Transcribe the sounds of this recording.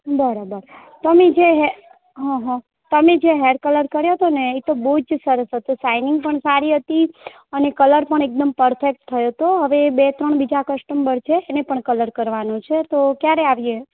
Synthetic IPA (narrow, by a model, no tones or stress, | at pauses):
bəɾabəɾ | t̪əmed͡ʒeɦe | ɦɔ̃ɦɔ̃ | t̪əmed͡ʒeɦeɖ̚kələɾkəɾjoɦət̪oneit̪obəɦud͡ʒsəɾəsɦət̪usainɪŋɡpəɳsaɾiɦət̪i | ənekələɾpəɳ̃ek̚d̪əmpəɾfʰek̚ʈt̪ʰːəjot̪oɦəʋebet̪ɾəɳbid͡ʒakəsʈəmbəɾt͡ʃʰeːnepəɳkələɾkəɾʋanũt͡ʃʰet̪okjaɾeaʋje